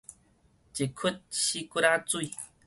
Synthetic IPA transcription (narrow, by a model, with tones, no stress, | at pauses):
t͡ʃe˨kʰu˦t̚ɕi˦ku˦ɾa˦t͡su˦i˨